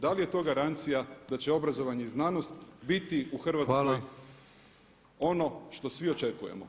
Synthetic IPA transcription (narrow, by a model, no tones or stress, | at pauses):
d̪alije̞t̪o̞ːɡaɾant̪sijad̪at͡ɕe̞o̞bɾazo̞ʋaɲeiznaːnost̪bit̪iuxr̩ʋat̪skoj | o̞no̞ʃt̪o̞sʋio̞t͡ʃe̞kujḛmo̰